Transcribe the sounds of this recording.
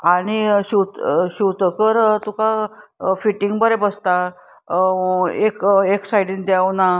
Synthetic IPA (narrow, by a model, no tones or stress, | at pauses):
aɽ̃iɕut̪ɕuwt̪əkəɾt̪ukafiʈiŋɡbəɾebəst̪a | ekeksajɽĩnd̪jawna